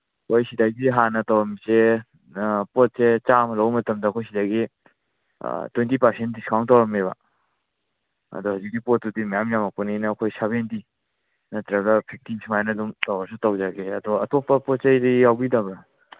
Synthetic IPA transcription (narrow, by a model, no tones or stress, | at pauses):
kʰojsidaɡiɦanɐtawɾɐmise | pot̚set͡ʃamɐlɐwmɐtɐmdɐkʰojsidaɡḭ | twentipaɾsent̚diskʰawŋtawɾɐmeβa̰ | ɐ̰dohawzik̚ːipot̚ːudimajamjamɐpuninɐːkʰojsaβenti | nɐtɾɐɡɐpʰek̚tinsʰimajnɐdumtawaɾs̬ʰutawzaɡeɐ̰doɐtopːɐpɔt̚t͡ʃɐjɾijawbidɐbɾa